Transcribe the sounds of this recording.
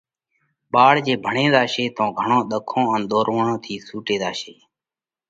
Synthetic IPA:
ɓaːɽd͡ʒeːbʱəɳẽːd̪aːʃeːt̪õːɡʱəɳõːɗ̪əkʰõːənɗ̪oːɾʋəɳõːt̪ʰiːsuːʈeːd̪aːʃeː

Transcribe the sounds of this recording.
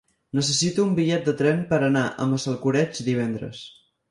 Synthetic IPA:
nəs̬əsit̪uːmbiʎɛt̪̚d̪ət̪ɾɛmpəɾənaʔə̰məsəlˠkuɾɛd͡ʒd̪iβ̞ɛnd̪ɾə̰s

